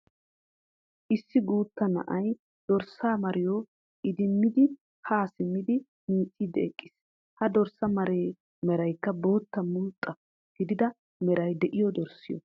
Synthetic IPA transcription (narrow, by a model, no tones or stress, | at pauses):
ʔɪsːɪɡuːt̪ːɐnɐ̰ʔɐj | d̪̥ɔɾsaːmɐɾɪjo | ʔɪd̪ɪmːɪd̪ɪ | haːsɪmːɪd̪ɪ | miːt͡sʼːid̪ɛːkʼːɪs | hɐd̪ɔɾsɐmɐɾeː | mɛɾɐjkːɐbo̞ːt̪ːɐmʊlt̪ʼːɐ | ɡ̥ɪd̪ɪd̪ɐ | mɛɾɐjd̪ɛʔɪjɔd̪ɔɾsɪjɔ̰